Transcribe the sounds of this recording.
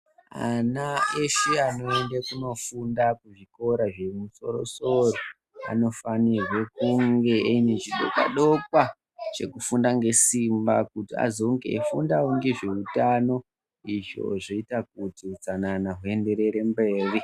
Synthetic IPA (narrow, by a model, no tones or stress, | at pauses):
a̰naeʃiano̞endekuno̞fundakuʐiko̞ɾaʐe̞muso̞̰ɾo̞̰so̞ro | a̰no̞fanirwe̞kuŋɡe̞ʔenet͡ʃiɗo̰kwa̰ɗo̞kwa | t͡ʃḛkufundaŋɡe̞simbakutia̰zo̞ŋɡe̞̰efundawoŋɡe̞ʐeutano̞ | iʐo̞̰ʐoitak̚utiut͡sananaɦue̞nde̞ɾe̞ɾe̞mbe̞ːri